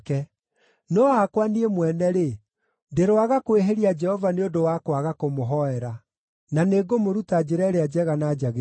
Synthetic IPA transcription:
kɛ | nɔakwaniemwɛnɛɾe | deɾoaɣakoeɦeɾiad͡ʒɛhɔvaneondowakwaɣakomoɦɔɛɾa | naneɡomoɾutad͡ʑeɾɛɾead͡ʒɛɣanaːd͡ʒaɣe

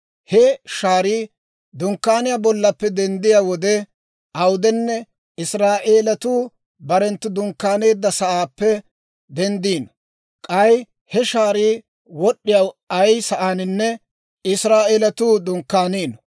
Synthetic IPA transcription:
hɛʃaːɾiː | d̪ʊŋkːaːnɪjabɔlːɐpːɛd̪ɛnd̪ɪjaːwɔd̪ɛ | ʔɐwʊd̪ɛnːɛ | ɪsɾaːʔeːlɐt̪uː | bɐɾɛnt̪ːʊd̪ʊŋkːaːne̞ːd̪ːɐsɐʔaːpːɛ | d̪ɛnd̪iːnɔ̥ | kʼɐj | hɛʃaːɾiː | wɔɗːɪjawɐjsɐʔaːnɪnːɛ | ɪsɾaːʔeːlɐt̪uːd̪ʊŋkːaːniːnɔ

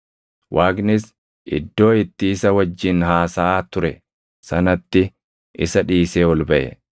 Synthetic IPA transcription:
wʔaːɡnɪs | ʔɪ̰d̪ːo̞ːɪt̪ːiːsɐwɐd͡ʒːɪnɦaːsaːt̪ʊɾɛ | sɐnɐt̪ːɪ | ʔɪsɐᶑiːseːwɔlbɐʔɛ̰

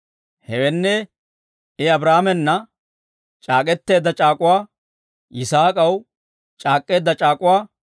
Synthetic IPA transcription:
hɛwɛnːɛ | ɪɐbɾaːmɛnːɐ | t͡ʃʼaːkʼɛt̪ːe̞ːd̪ːɐt͡ʃʼaːkʼʊwaː | ʔɪsaːkʼɐw | t͡ʃʼaːkʼːe̞ːd̪ːɐt͡ʃʼaːkʼʊwaː

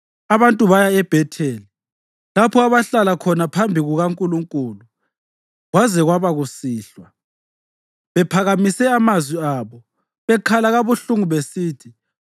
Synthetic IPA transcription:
aβantʼuβajaɛb̥ʱɛtʰeːli | lapʰɔaβaɬalakʰɔnapʰambʱiɣuɣaŋkʼuluŋkʼuːlu | ɣwazɛɣwaβaɣusiːɬwa | βɛpʰaɣamisɛamazwiaːβɔ | βɛkʰalaɣaβuɬuŋuβesiːtʰi

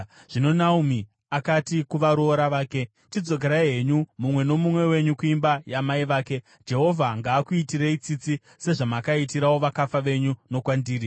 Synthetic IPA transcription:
ʐ̥ino̞naumi | akatikuʋaɾoɾaʋaːke̞ | t͡ʃid͡zo̞k̬e̞ɾaiɦe̞ɲumumwe̞no̞mumwe̞we̞ɲukuimbajamaiʋaːke̞ | d͡ʒe̞ɦo̞vʱaŋɡaːkuitiɾeit͡sit͡si | se̞ʐamakaitiɾawo̞ʋakafaʋe̞ɲuno̞kwandiːɾi

